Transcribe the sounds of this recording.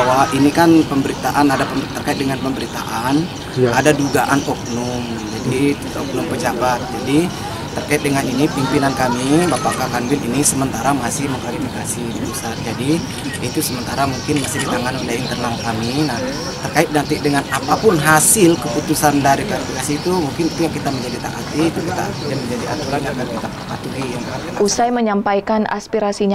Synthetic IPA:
awainikanpəmbəɾit̪aʔanadapəmt̪ərkaɪt̪̚dəŋanpəmbəɾit̪a̰ʔan | adaduɡaʔanɔk̚nʊŋ | d͡ʒadi | ɔk̚nʊŋpəd͡ʒabat̪̚d͡ʒadi | t̪ərkaɪt̪̚dəŋaninipimpinankamibapaʔkakanbɪlḭnisəmənt̪aɾamasɪhməŋkalifikasidibəsard͡ʒadi | it̪usəmənt̪aɾamuŋkɪnmasɪhdit̪aŋanɔlaint̪ərnalkaminah | t̪ərkaɪt̪̚nant̪idəŋanapapʊnɦasɪlkəput̪usandaɾikwalifikasiːt̪umuŋkɪnit̪ujaŋkit̪aməɲd͡ʒadit̪a̰ʔa̰t̪it̪ukit̪a̰ʔa̰t̪idanməɲd͡ʒadiʔa̰t̪uɾanaɡat̪kit̪aapa̰t̪uɡijaŋkaausajməɲampajkana̰spiɾasiɲ

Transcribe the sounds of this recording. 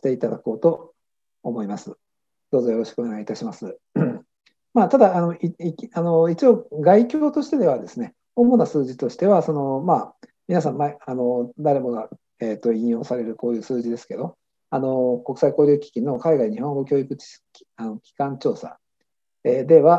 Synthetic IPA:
ɕi̥t̪e̞it̪ad̪ako̞ːt̪o̞ː | mo̞imasɨ | d̪̥o̞ːzo̞jo̞ɾo̞ɕi̥kɯone̞ɡait̪aɕimasɨ | maːt̪ad̪aːno̞iiano̞it͡ɕio̞ːɡaikʲo̞ːt̪o̞ɕi̥t̪e̞d̪e̞βad̪e̞sɨne̞ | omo̞nasɨːʑit̪o̞ɕi̥t̪e̞βaso̞no̞maː | mʲinas̬ãmmaeano̞d̪aɾe̞mo̞ɡa | eːt̪ːo̞ĩjo̞ːsaɾe̞ɾɯ̟koːjɯ̟ːsɨːʑid̪e̞sɨ̥ke̞d̪o̞ | ano̞ko̞kɯ̥saiko̞ːɾʲoːkʲi̥kʲino̞kaiɡaiɲ̟ihõ̞ŋɡo̞kʲo̞ːikɯ̟t͡ɕi̥ɕi̥kʲi̥ano̞kʲi̥kãɲt͡ɕo̞ːsa̰ | eːd̪e̞βa

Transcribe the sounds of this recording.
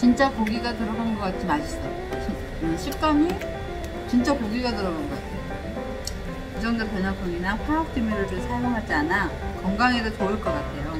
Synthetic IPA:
t͡ɕint͡ɕ͈akoɡiɡatɯɾʌɡanɡʌk͈at̚t͡ɕ͈imaɕʰi̥s͈ʌjoi | ɕʰik͈ami | t͡ɕint͡ɕ͈akoɡiɡatɯɾʌɡanɡʌk͈atʰe̞jo | id͡ʑʌŋdopjʌnʌkʰɯŋinapʰuɭak̚t͈ʰimiɾɯɭɾɯsʰaɭmoŋɦad͡ʑianakʌŋɡaŋedotoɯɭk͈ʌk͈atʰe̞jo

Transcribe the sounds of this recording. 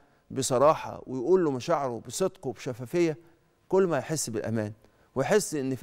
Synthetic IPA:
besˤɑɾˤɑːħɑ̰wɪjʔuːlːomæʃaʕɾobesˤed̪qobeʃæfæːfejːæ | kʊlːmæjħesːbɪlʔæ̰mæːn | wejħesːʔenːf

